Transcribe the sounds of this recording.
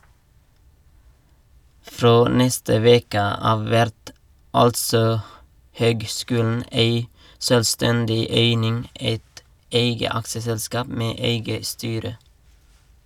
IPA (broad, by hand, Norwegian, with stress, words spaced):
ˈfɾoː ˈnɛstə ˈʋeːkə ˈɑːʋ ˈʋæɾt ˈɑltsɔ ˈhøːɡˌskʉːln̩ ˈeɪ ʃœlˈstɛndɪ ˈeɪnɪŋ ˈeɪt ˈeɪɡə ˈɑkʃəsɛlˌskɑːp ˈmeː ˈeɪɡə ˈstyːɾə